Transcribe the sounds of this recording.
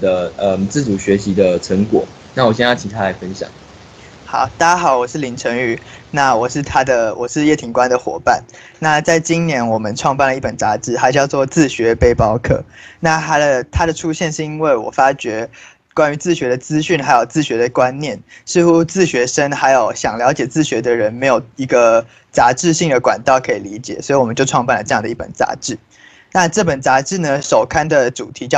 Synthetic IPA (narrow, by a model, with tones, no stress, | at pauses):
d̪ə˧ə˧t͡sɹ̩˥˩t͡su˨˩ɕɥɛ˨˧˦ɕi˧˥d̪ə˧ʈ͡ʂʰə˧˥ŋkwɔ˨˩˦ | na˥˩wɔ˨˩ɕjɛ˥˧nja˥˩t͡ɕʰi˨˩t̪ʰa˥la˧˥ɪfə˦nɕjɑ̰˨˩˦ŋ | xɑ̰˨˦ʊt̪a˥˩t͡ɕa˥xɑ˨˩˦ʊwɔ˨˩ʂɻ̩˥˩li˨˩ŋʈ͡ʂʰə˧˥ŋy˨˩na˥˩wɔ˨˩ʂɻ̩˥˩t̪ʰa˥d̪ə˨wɔ˨˩ʂɻ̩˥˧jɛ˥˩t̪ʰi˧˩ŋkwa˦nd̪ə˨xwɔ̰˨˩pa˥˩n | na˥˨t͡sa˥˩ɪt͡ɕi˦nnjɛ˧˥nwɔ˨˩mə˦nʈ͡ʂʰwɑ˥˧ŋpa˥˩nlə˩˧i˥˩pə˨˩nt͡sa˧˥ʈ͡ʂɻ̩˧˥xa˧˥t͡ɕjɑ˥˧ʊt͡swɔ˥˧t͡sɹ̩˥˩ɕɥɛ˧˦pe˥˩ɪpɑ˥ʊkʰɤ̰˥˧˨na˥˩t̪ʰa˥d̪ə˨t̪ʰa˥d̪ə˨ʈ͡ʂʰu˥ɕjɛ˥˧nʂɻ̩˥˧i˥nwe˥˩ɪwɔ̰˨˩fa˥t͡ɕɥɛ˧˥ | kwa˥ny˧˥t͡sɹ̩˥˩ɕɥɛ˧˥d̪ə˧t͡sɹ̩˥ɕy˥˩nxa˧˥ɪjo˨˩ʊt͡sɹ̩˥˩ɕɥɛ˧˥d̪ə˨kwa˦nnjɛ˥˩nʂɻ̩˥˧xu˥t͡sɹ̩˥˩ɕɥɛ˧˥ʂə˥ŋxa˧˥ɪjo˨˩ʊɕjɑ˨˩ŋljɑ˧˥ʊt͡ɕjɛ˨˩t͡sɹ̩˥˩ɕɥɛ˧˥d̪ə˧˨ɻə˧˦nme˧˥ɪjo˨˩ʊi˧˥ɡə˧ | t͡sa˧˥ʈ͡ʂɻ̩˥˧ɕi˥˩ŋd̪ə˩kwa̰˨˩nt̪ɑ˥˩ʊkʰɤ˧˥i˨˩li˧˥t͡ɕjɛ̰˨˩swɔ˧˥i˨˩wɔ˨˩mə˦nt͡ɕjo˥˧ʈ͡ʂʰwɑ˥˧ŋpa˥˩nlə˩ʈ͡ʂɤ˥˧jŋd̪ə˧i˥˩pə̰˨˩nt͡sa̰˧˥ʈ͡ʂɻ̩˥˩ | na˥˧ʈ͡ʂɤ˥˩pə˨˩nt͡sa˧˥ʈ͡ʂɻ̩˥˩nə˩ʂo˨˩ʊkʰa˥nd̪ə˨ʈ͡ʂu˨˩t̪ʰi˧˥t͡ɕɑ˥˧